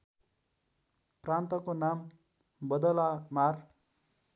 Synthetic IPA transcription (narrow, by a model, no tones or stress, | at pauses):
prant̪ʌkonam | bʌd̪ʌlamar